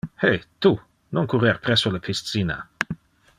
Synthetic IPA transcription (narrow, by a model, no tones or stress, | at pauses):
het̪u | noŋkuɾeɾpɾɛsːolapʰist̪siːna̰